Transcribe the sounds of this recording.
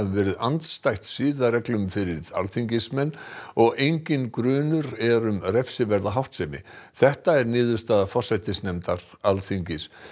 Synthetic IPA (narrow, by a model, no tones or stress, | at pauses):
ɪvɛːɾɪðant̪st̪ajht̪sɪːðarɛklʏmfɪɾɪɾða̰lθiɲcɪsmɛnːɔɣejɲcɪnkɾʏːnʏɾɛɾʏmrɛfsɪvɛɾðaɦawht̪sɛmɪ̰θɛht̪aɛɾnɪːðʏ̥st̪aðafɔsajt̪ɪsnɛmt̪aɾ | alθiɲcɪs